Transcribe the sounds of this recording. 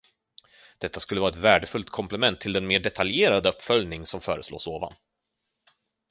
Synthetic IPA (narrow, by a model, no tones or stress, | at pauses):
d̪̥ɛt̪ːaskɵlːəɑːɾaɛt̪væːɖəfɵlt̪kʰɔmplɛmɛnt̪ʰːɪld̪ɛnmeːɖɛt̪ʰaljeːɾad̪əɵpːfœljnɪŋsɔmfœːɾəslo̰ːsoːva̰n